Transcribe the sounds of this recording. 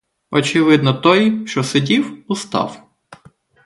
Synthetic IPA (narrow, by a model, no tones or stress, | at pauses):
ɔt͡ʃɪʋɪd̪nɔt̪ɔjʃt͡ʃɔsedʲiwʊst̪ɑ̰w